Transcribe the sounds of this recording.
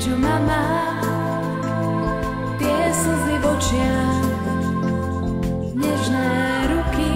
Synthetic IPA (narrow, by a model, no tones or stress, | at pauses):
ʒɔmama | t̪ɪɛsuzliʋɔt͡ʃɪa | ɲɛʒnɛː | ɾuki